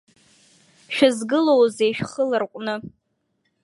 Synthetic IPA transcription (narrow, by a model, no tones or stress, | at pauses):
ʃᶣazɡɨlowzejʃᶣχəlɨrqʷʼnɨ